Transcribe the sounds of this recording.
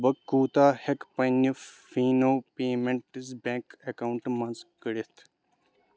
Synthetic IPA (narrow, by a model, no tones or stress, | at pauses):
bɐkːuːt̪aːhekpɐnufːiːnoːpeːmeɳʈizbẽːkekɐwuɳʈmɐnzkəɽit̪ʰ